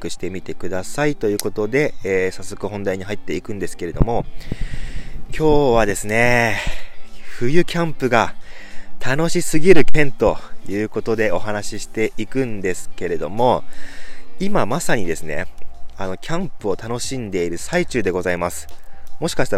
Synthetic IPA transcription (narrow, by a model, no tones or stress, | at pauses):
kɯ̟ɕi̥t̪e̞mʲit̪e̞kɯ̟d̪asait̪o̞jɯ̟ːko̞t̪o̞d̪e̞ːsasːo̞kɯ̟ɦõ̞nd̪aiɲ̟iɦait̪ːe̞ikɯ̟̃nd̪e̞sɨ̥ke̞ɾe̞d̪o̞̰mo̞ | kʲʰo̞ːβ̞ad̪e̞sɨne̞ | ɸɯ̟jɯ̟kʲãmpɯ̟ɡa | t̪ʰano̞ɕisɨɡʲiɾɯ̟kʰẽ̞nt̪o̞jɯ̟ːko̞t̪o̞d̪e̞o̞ɦanaɕiɕi̥t̪e̞ʔikɯ̟̃nd̪e̞sɨ̥ke̞ɾe̞d̪o̞mo̞ | imamasaɲ̟id̪e̞sɨne̞̰ano̞kʲʰãmpɯ̟ot̪ano̞ɕĩnd̪e̞iɾɯ̟sait͡ɕɨːd̪e̞ɡo̞zaimasɨ̥mo̞ɕi̥kaɕi̥t̪a